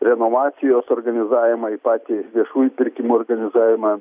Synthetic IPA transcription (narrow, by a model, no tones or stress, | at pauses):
ɾʲɛnoːʋɑːt̪sʲɪjoːsoːɾɡɐnʲɪzɑːʋʲɪmɑipɑːt̪ʲɪʋʲiɛʃuːjupʲɪɾʲkʲɪmuɔɾɡɐnʲɪzɑːʋʲɪmɑ